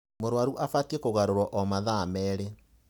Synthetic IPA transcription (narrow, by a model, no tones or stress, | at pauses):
moɾwaɾuʔafatiekoɣaɾoɾwɔʔɔmaðamɛːɾe